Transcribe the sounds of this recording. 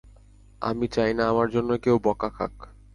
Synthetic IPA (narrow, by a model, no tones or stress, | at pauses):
a̰mit͡ɕajnaamaɾd͡ʑonːokewbɔkakʰa̰k